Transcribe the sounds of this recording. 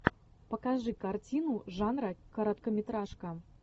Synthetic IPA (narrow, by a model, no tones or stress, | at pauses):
pɐkaʐɨkart͡sʲinuʐanɾɐkɐɾɐt̪kɐmʲɪt̪ɾaʂkɐ